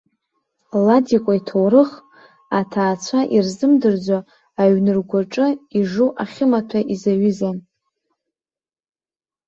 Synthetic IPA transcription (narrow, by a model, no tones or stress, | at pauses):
ladikʷʼaitʰowɾɨχ | atʰaːt͡ɕʷʰaʔirzɨmdɨrd͡zʷaː | ɥnɨrɡʷaʈ͡ʂʼɨiʐuʔaχʲɪmatʷʰaʔizaɥɨzan